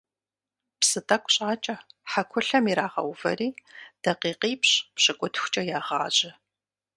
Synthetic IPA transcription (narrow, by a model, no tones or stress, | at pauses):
psɨtʼɐkʷʼɕʼaːt͡ʃʼɐħakʷʰʊɬɐmiɾaːʁɐ̰wvɐ̰riːd̥ɐqiːqiːpɕpɕɐkʷʼʊtʰxʷt͡ʃʼɐjaːʁa̰ːʑɪ